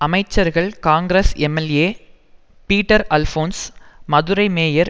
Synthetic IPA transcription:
ɐmɐɪt͡ʃːɐɾɣɐɭkaːŋɡɾesɛmɛleː | piːʈːɐɾɐlfoːnsmɐðʊɾɐɪmeːjɐɾ

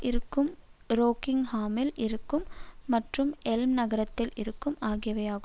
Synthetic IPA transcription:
ʔɪɾɯkːɯmɾoːkɪŋhaːmɪlʔɪɾɯkːɯmːɐʈrɯmɛlmnɐɣɐɾɐt̪ːɪlɪɾɯkːɯmaːɣɪjɐʋɐjaːɣɯ

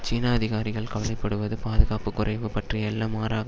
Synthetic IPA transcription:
t͡ʃiːnaɐðɪɣaːɾɪɣɐɭkɐʋɐlɐɪpːɐɽɯʋɐðɯpaːðɯɣaːpɯkːʊɾɐɪʋɯpɐʈriɛlːɐmaːɾaːɣɐ

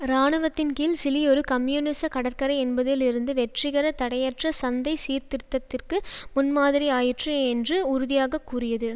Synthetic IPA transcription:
ɾaːɳɐʋɐt̪ːɪnkiːlsɪliɔɾɯkɐmjuːnɪsɐkɐɽɐɾkɐɾɐɪɛnbɐðɪlɪɾɯnd̪ɯʋɛʈrɪɣɐɾɐt̪ɐɽɐjɐʈrɐsɐnd̪ɐɪsiːɾt̪ɪɾɯt̪ːɐt̪ːɪrkɯmʊnmaːðɪɾiaːjɪʈrɐɛndrɯʊɾʊðɪjaːɣɐkːurɪjɐðɯ

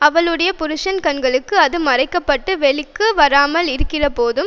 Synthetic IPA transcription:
ɐʋɐɭɯɽɐjɐpʊɾɯʂɐnkɐɳɡɐɭɯkːɯɐðɯmɐrɐɪkːɐpːɐʈːɯʋɛɭɪkːɯʋɐɾaːmɐlɪɾɯkːɪrɐpoːðɯm

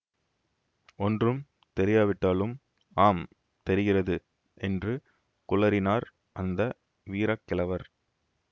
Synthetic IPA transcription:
ɔndrɯm | t̪ɛɾɪjaːʋɪʈːaːlɯm | aːm | t̪ɛɾɪɣɪrɐðɯ | ʔɛndrɯ | kʊɭɐɾɪnaːɾ | ʔɐnd̪ɐ | ʋiːɾɐkːɪlɐʋɐɾ

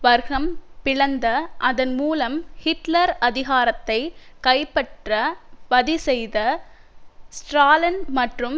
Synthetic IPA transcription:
ʋɐɾɣɐmpɪɻɐnd̪ɐʔɐðɐnmuːlɐmhɪʈlɐɾɐðɪɣaːɾɐt̪ːɐɪkɐɪpːɐʈrɐʋɐðisɛjðɐ | sʈɾaːlɐnmɐʈrɯm

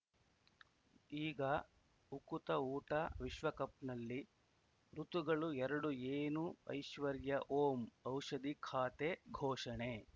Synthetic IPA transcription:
iːɡɐ | ukut̪ɐuːʈɐʋiʃʋɐkɐp̚nɐlːi | ɾut̪uɡɐɭuɛɾɐɽueːnuɐ̰jʃʋɐɾjɐʔoːmɐwʃɐd̪ikʰaːt̪eɡʱɔːʂɐɳe

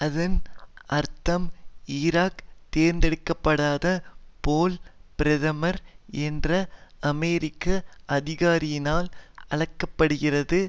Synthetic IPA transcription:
ɐðɐnʔɐɾt̪ɐmɪɾaːkt̪eːɾnd̪ɛɽɯkːɐpːɐɽaːðɐpoːlpɪɾɐðɐmɐɾɛndrɐɐmɛːɾɪkːɐʔɐðɪɣaːɾɪjɪnaːlɐɭɐkːɐpːɐɽɯɣɪrɐðɯ

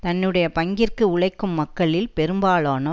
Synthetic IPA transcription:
t̪ɐnːɯɽɐjɐpɐŋɡɪrkɯʊɭɐɪkːɯmːɐkːɐɭɪlpɛɾɯmbaːɭaːnɐ

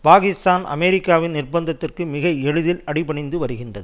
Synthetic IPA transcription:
paːɣɪst̪aːnʔɐ̰mɛɾɪkːaːʋɪnnɪrbɐnd̪ɐt̪ːɪrkɯmɪɣɐɛɻɯðɪlɐɽɪpɐɳɪnd̪ɯʋɐɾɯɣɪndrɐðɯ

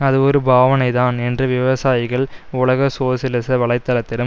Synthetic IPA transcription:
ɐðɯɔɾɯbʱaːʋɐnɐɪðaːnɛndrɯʋɪʋɐsaːjɪɣɐɭʊɭɐɣɐsoːsɪlɪsɐʋɐɭɐɪt̪ːɐlɐt̪ːɪɾɯm

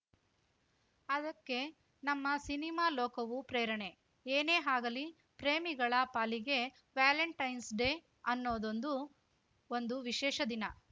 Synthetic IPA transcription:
ɐd̪ɐkːe̞ | nɐmːɐsinimaːlɔːkɐʋupɾeːɾɐɳe̞ | eːne̞ːɦaːɡɐli | pɾeːmiɡɐɭɐpaːliɡe̞ | ʋjaːleɳʈɐjnsɖeː | ɐnːoːd̪o̞nd̪u | ond̪uʋiʃɛːʃɐd̪inɐ

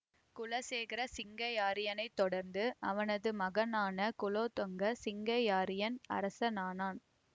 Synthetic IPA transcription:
kʊlɐseːɣɪɾɐsɪŋɡɐjaːɾɪjɐnɐɪt̪ːɔɽɐɾnd̪ɯɐʋɐnɐðɯmɐɣɐnaːnɐkʊloːt̪ɔŋɡɐsɪŋɡɐjaːɾɪjɐnɐ̰ɾɐsɐnaːnaːn

